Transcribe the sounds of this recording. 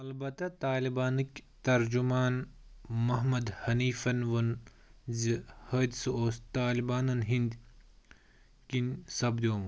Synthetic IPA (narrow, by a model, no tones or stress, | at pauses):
ɐlbɐt̪ɐt̪aːlibaːnkt̪ɐɾd͡ʒumaːnmɐɦmɐd̪hɐniːfɐnʋɐn | zihɐd̪soːst̪aːlibaːnɐnɦind̪ | kinsɐbd̪ʲoː